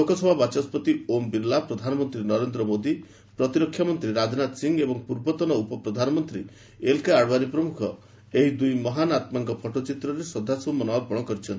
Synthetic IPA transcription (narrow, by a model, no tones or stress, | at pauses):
lokɔsɔbʱabat͡ʃɔspɔt̪iombiɾlapɾɔd̪ʱanɔmɔnt̪ɾinɔɾend̪ɾɔmod̪i | pɾɔt̪iɾɔkʰːjamɔnt̪ɾiɾad͡ʒnat̪siŋɡebɔŋpuɾbɔt̪ɔnɔupɔpɾɔd̪ʱanɔmɔnt̪ɾi | elkaːɽbaɾipɾɔmukʰɔ | eɦid̪ujmɔɦanat̪maŋkɔpʰɔʈɔt͡ʃit̪ɾɔɾesɔd̪ʱasɔɔmɔnɔapɔɽ̃ɔkɔɾit͡ʃʰɔnt̪i